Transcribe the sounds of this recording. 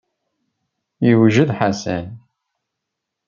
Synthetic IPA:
jəwʒəðħasæ̰n

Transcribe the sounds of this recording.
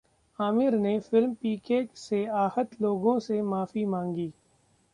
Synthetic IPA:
aːmɪɾnefɪlmpiːkeːkseaːhət̪loːɡõsemaːfimãːŋɡiː

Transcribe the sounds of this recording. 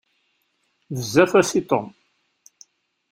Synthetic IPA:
vəzːæfæsit̪ˤom

